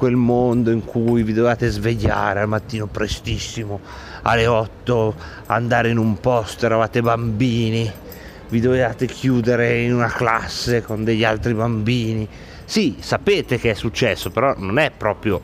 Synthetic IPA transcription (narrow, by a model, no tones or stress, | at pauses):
kwelmond̪oiŋkʰuːjvid̪ovevaːt̪ezveʎːa̰ːɾealmat̪ːiːnopɾest̪isːimo | a̰leɔt̪ːo | a̰nd̪aːɾeinumpɔst̪ɛɾavaːt̪ebambiːni | vid̪ovevaːt̪ekʰjuːd̪eɾeinunakla̰sːekond̪eʎːa̰lt̪ɾibambiːni | sisapeːt̪ekeɛsːut͡ʃːɛsːopeɾɔnonɛpːɾɔːpɾjo